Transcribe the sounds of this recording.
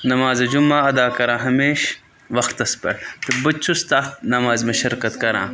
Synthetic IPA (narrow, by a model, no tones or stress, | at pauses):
nɐmaːzɐd͡ʒumaːɐd̪aːkɐɾãːɦɐmeːʃ | ʋɐxt̪ɐspɐ̰ɽt̪ebɐt͡ʃʰust̪aːnɐmaːzmeʃɐɾkɐt̪kɐɾã̰ː